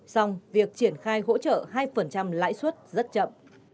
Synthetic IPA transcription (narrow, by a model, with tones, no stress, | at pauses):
sa˧wŋ͡mvi˨˩ək̚t͡ɕi˧˩ənxaː˧jɦo̰˧˥t͡ɕə̰ː˧˨haː˧jfə˨˩nt͡ɕa˧mla̰ː˧˥jswə˦˥t̚zə˦˥t̚t͡ɕə̰˧˨mʔ